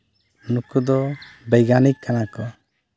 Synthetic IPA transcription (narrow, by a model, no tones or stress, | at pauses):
nukud̪ɔbɛjɡanikkːanakɔ